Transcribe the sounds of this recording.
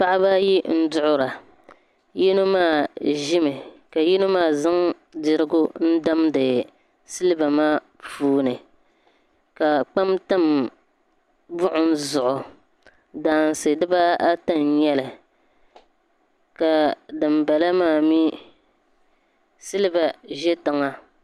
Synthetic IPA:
pa˦ʔɪ˦ba˦ji˦n̩˦dʊ˦ʔʊ˦ɾa˨ | ji˦no˦maː˦˨ʒɪ˦mɨ˨ka˨ji˦nʊ˦maː˦˨zɨ˦ŋ | dɪ˨ɾɨ˦ɡʊ˦n̩˦da˦mdɨ˨ | sɨ˦lɨ˦ba˨maː˦ | puː˦nɨ˨ | ka˨k͡pa˦mta˦m | bʊ˦ʔʊ˦n̩˦zʊ˨ʔʊ˨ | daː˨n˨sɨ˨dɨ˦ba˦a˦ta˦njɛ˦lɨ˨ | ka˨dɨ˨mba˨la˦maː˦˨mi˦ | sɨ˦lɨ˦ba˨ʒɛ˦ta˨ŋa˦

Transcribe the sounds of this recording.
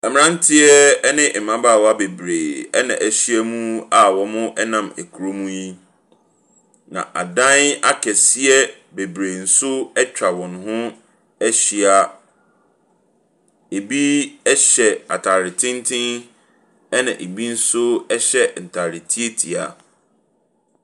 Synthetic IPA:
ɛ˨mɪ̃˨ɾã˦n̩˦tʰɪ˦ɛ˦nɪ̃˦ʔ̩˨mã˦baː˦˨wa˦be˨bɾe˨ɛ˦nã̰˨ʔæ˨ɕi˦ɛ˦mũ˦a˨wɔ˨mʊ̃˦ʔɛ˦nã˨me˨kʰu˨ɾo˦mũ˦ji˦ | nã̰˨ʔa̰˨dã˦na˦kʰɛ˨si˦ɛ˦ | be˨bɾe˨n̩˨sʊ˦ɛ˦t͡ɕᶣʰa˨wɔ̃˨nʊ̃˨˦ɦʊ̃˦ | æ˦ɕi˦a˦ | e˨bi˦ɛ˦ɕɛ˨a̰˨tʰa˨ɾɪ˨tʰɪ̃˦n˦tʰɪ̃˦ŋ | ɛ˦nã̰˨ʔe˨bi˦n̩˦sʊ˦ɛ˦ɕɛ˦˨n̩˨tʰa˨ɾɪ˨tʰi˦e˦tʰi˨a˨

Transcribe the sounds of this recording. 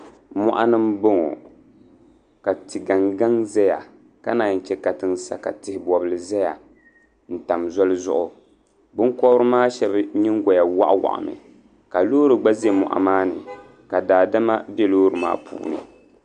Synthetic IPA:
mɔ˦ʔa˦nɨ˦mbo˦ŋo̰˨ | ka˨ti˨ɡa˨ŋɡa˦ŋza˦ja˨ | ka˦naː˨n̩˦˨t͡ʃɛ˦ka˨tɨ˦nsa˦ka̰˨tɪ˨hɪ˨bɔ˨bɨ˦lɨ˨zɛ˦ja˨ | n̩˨ta˨mzɔ˦lɨ˦zʊ̰˦ʔʊ˨ | bɨ˦ŋkɔ˦bɾɨ˦maː˦ʃɛ˦bɲi˦ŋ˦ɡɔ˨ja˨wa̰˦ʔwa̰˨ʔa̰˨mɨ̰˨ | ka˨loː˦ɾɨ˨ɡ͡ba˦ze˦mɔ̰˨ʔa̰˨maː˦nɨ̰˨ | ka˨daː˨da˦ma˦bɛ˦loː˦ɾɨ˨ma̰ː˦pʰṵː˨nɨ̰˨

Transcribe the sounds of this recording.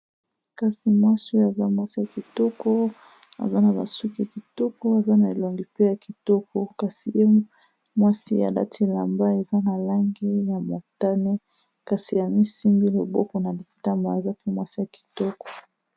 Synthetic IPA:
ka˦si˨mwa˦su˦a˨za˦mwa˦si˦ja˨ki˨tɔ˦kɔ˦ | a̰˨za˦na˨ba̰˨su˦ki˨a˨ki˨tɔ˦kɔ˦a˨za˦na˨e˨lo˨ŋɡi˨pe˦ja˨ki˨tɔ˦kɔ˨ka˦si˨je˦ | mwa˦si˦ja̰˨la̰˦tʰi˦la˨mba˦e˨za˦na˨la˦ŋɡe˦ja˨ma˨ta˦ne˦ | ka˦si˨ja˨mi˦si˦mbi˦lo˨bɔ˦kɔ˨na˨li˨ta˦mba˨a˨za˦pe˦mwa˦si˦ja˨ki̥˨tɔ˦kɔ̥˨

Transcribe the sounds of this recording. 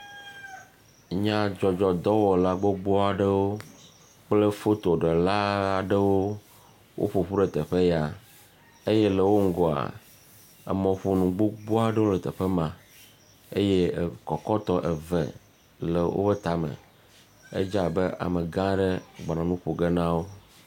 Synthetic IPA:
ɲã˦d͡ʒɔ˨d͡ʒɔ˨d̪ɔ˦wɔ˨la˦ɡ͡bo˦ɡ͡bɔ˦a˨ɖe˦wo˦ | k͡ple˦fo˦t̪o˨ɖe˨la˦a˨ɖe˦wo˦ | wʔo̰˦ɸo˨ɸu˦ɖɛ˨t̪ɛ˨ɸe˦ja˨ | e˦je˦le˨wo˦ŋ̩˦ɡɔ˨a̰˨ | ḛ˨mɔ̃˨ɸo˦nũ˨ɡ͡bo˦ɡ͡bo˦a˨ɖe˦wo˦le˨t̪e˨ɸe˦mã˨ | e˦je˦˨kɔ˨kɔ˦t̪ɔ˦ʔe˨vḛ˨ | le˨wʔo̰˦be˦t̪a˨mḛ̃˨ | ḛ˦d͡ʒa˦˨be˦ʔa̰˨me˨ɡã˦ɖe˦ɡ͡ba˨nã˨nũ˦ɸo˨ɡe˦nã˦wo˦

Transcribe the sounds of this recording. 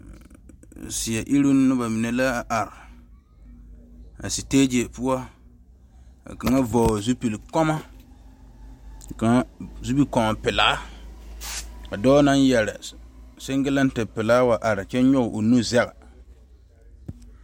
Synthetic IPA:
si˨a˨ʔi˦ɾu˦n˦nʊ˦ba˨mɪ˨nɛ˨la˦˨ʔa˨ɾɪ˨ | a̰˨si˨teː˦d͡ʒe˨pu˦ɔ˦ | a̰˨ka˨ŋa˦vɔː˨zu˦pi˨lkɔ˦ma˦˨ | ka˨˦zu˦bi˦kɔ˨ma˨pɪ˨laː˦ | ka˨dɔː˦na˦n˦jɛ˨lɪ˨sɪ˦ŋɡɪ˦la˦n̩˦tɨ˨pɪ˨laː˦wa˨ʔa˨ɾɪ˨t͡ʃɛ˦ɲʊ˦ɣʊ˨ʔo˨nu˦zɛ˦ɣa˨

